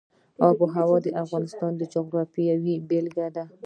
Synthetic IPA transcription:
awbəɦawɑd̪əʔafɣɑnɪst̪ɑnd̪əd͡ʒoɣɾɑfijawibelɡad̪a

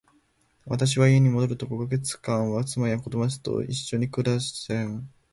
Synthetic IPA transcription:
βa̰t̪aɕ̬iβaieɲ̟imo̞d̪o̞ɾɯ̟t̪o̞koɡaɡe̞t͡sɨ̥kãɰ̃βat͡sɨmaɾiakot̪omasɨ̥t̪o̰ḭɕːo̞ɲ̟ikɯ̟ɾasẽɴ

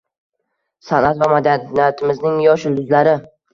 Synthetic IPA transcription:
sanʔat̪vamad̪aijat̪ʰɪmɪznɪŋjɒʃɪlʊzlaɾɪ

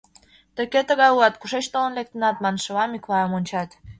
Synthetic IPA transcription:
t̪ə̆ket̪ə̆ɣɑjuɑt̪kuʃet͡ɕt̪olə̆nlek̚t̪ə̆nɑt̪mɑnʃɤ̆βɑmikβɑəmonʲt͡ɕɑt̪

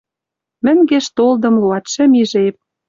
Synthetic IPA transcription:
mɘ̆ŋɡeʃt̪old̪ɤ̆mluɑt̪ʃɘ̆miʒep̚

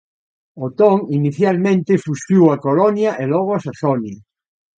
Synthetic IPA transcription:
ot̪oŋiniθjalmẽnt̪efusuwakolonjaʔelɔɣ̞oasaθonja

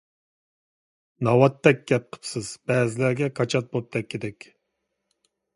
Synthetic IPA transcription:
nɑwɑt̪ːɛk̚ʲɡ̥ʲɛp̚qʰə̥psɨz̥b̥ɛːzɪlæɾɡʲɛkʰɑt͡ʃʰɑt̪̚bop̚t̪ʰɛkʲːid̪ɛkʲ

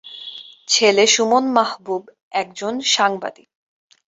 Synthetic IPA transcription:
t͡ɕʰeleʃumonmaɦbub | ɛk̚d͡ʑonʃaŋba̰d̪i

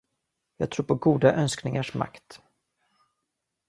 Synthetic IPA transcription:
jɑːɡ̚t̪ʰɾuːɾpʰɔɡuːd̪aʔœnsknɪŋaʂma̰kt̪

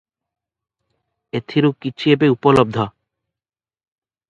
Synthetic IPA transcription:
et̪ʰiɾukːit͡ʃʰiebeupɔlob̚d̪ʱɔ

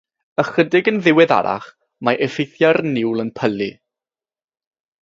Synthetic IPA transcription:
əχədɪɡənðɪwɛða̰ɾa̰χ | maʔɛfɪjθjarnɪwlˠənpʰəli

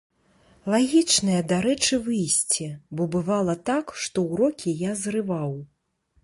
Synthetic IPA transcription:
lˠaɣʲit͡ʂnɐjɐd̪aɾɛt͡ʂɨvɨjsʲt͡sʲibɔbɨvalˠɐt̪akʂt̪ɔwɾɔkʲijazrɨvaw

